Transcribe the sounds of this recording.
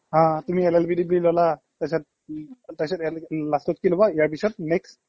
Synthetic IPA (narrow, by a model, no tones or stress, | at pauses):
ɦãtumiɛlɛlpidiblilɔla | tasɔt̚ | tasɔtlastɔt̚kilɔbɔijaɹpisɔt̚nɛkst